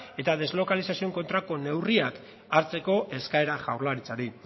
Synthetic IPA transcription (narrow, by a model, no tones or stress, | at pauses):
e̞t̪aðe̞zlo̞kalisasioŋko̞nt̪ɾako̞ne̞wriak | aɾt͡se̞ko̞ʔe̞skae̞ɾaʝawɾlaɾit͡saɾi